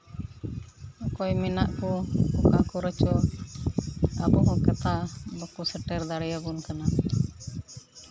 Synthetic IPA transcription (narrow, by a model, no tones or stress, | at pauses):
ɔkɔjmɛnaʔkɔɔkaʔkɔɾət͡ʃɔ | abɔŋɔkɛt̪aʔbɔkusɛʈɛɾd̪aɽɛjabunkana